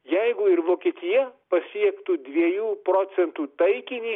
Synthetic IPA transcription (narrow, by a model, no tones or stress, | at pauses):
jæɪɡʊɪɾʋoːkʲiɛt̪ʲɪjɛpɐsʲiɛkt̪ud̪ʲʋʲiɛjuːpɾoːt̪sʲɛnt̪uːt̪ɐɪkʲɪnʲi